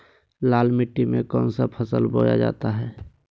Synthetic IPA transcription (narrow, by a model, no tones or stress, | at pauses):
laːlmɪʈːimẽkɔːnsapʰəsəlboːja̰d͡ʒa̰ːt̪aɦɛː